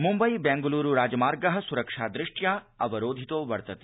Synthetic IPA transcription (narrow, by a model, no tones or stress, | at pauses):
mumbɐjbɛ̃ːŋɡuluːɾuɾaːd͡ʒɐmaːɾɡɐɦɐ̆suɾɐkʂaːd̪ɾɪʂʈjaː | ɐʋɐɾoːd̪ʱit̪oːʋɐɾt̪ɐt̪i̥